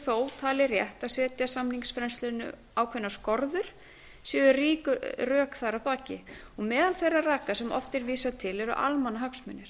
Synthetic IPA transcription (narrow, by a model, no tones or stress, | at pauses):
foːwt̪ʰaːlɪrjɛht̪asɛːt̪jasamniŋsfɾɛnslɛnʏ̰ | awkʰvɛnːaskɔɾðʏɾ̥ | sɛːðʏriːkʏrœːkθaɾapaːcɪ̰ɔɣmɛːðalθejrːaraːkasɛmɔ̰ft̪ɛɾviːsat̪ʰɪlɛɾʏ̰ʔa̰lmanːaɦaksmʏnːɪɾ̥